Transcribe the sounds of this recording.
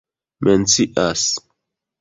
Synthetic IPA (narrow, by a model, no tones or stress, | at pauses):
mɛnt͡siʔas